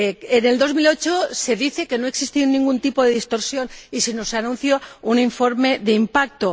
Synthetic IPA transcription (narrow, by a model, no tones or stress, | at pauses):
ene̞ld̪o̞zmilo̞t͡ʃose̞ðiθe̞ke̞no̞e̞ksist̪inːĩŋɡunt̪ipo̞ðe̞ðist̪o̞ɾsjo̞nisinoseanũnθjo̞uniɱfo̞ɾme̞ðeimpak̚t̪o